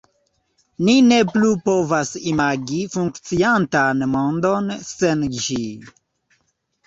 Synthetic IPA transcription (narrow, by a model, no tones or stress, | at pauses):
nine̞plupo̞vasimaɡifuŋkt͡siantanmo̞ndo̞nsend͡ʒi